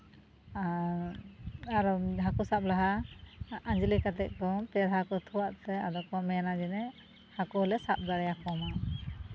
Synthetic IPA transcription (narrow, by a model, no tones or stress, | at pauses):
a | aɾɔɦakusap̚laɦa | ad͡ʒlikat̪ɛʔ̚ˀkɔt̪ɛɾɦakɔt̪ʰuwaʔt̪ɛad̪ɔkɔmɛnad͡ʒɛnɛ | hakɔlɛsap̚d̪aɽɛjakɔma